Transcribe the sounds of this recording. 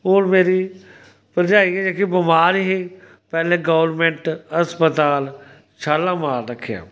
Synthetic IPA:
ʊːɾmeːɾi | pəɾd͡ʒaːiɛd͡ʒeːkibɪmaːɾɦi | pɛːlẽɡəʋəɾmẽɳʈəspət̪aːl | t͡ʃʰaːlːãːmaːɾɾəkʰːeja̰ː

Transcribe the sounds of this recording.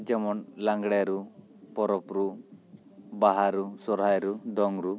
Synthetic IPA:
d͡ʒɛmɔnlaŋɡɽɛaɾu | pɔɾɔpɾu | baɦaɾusɔɾɦajɾud̪ɔŋɾu

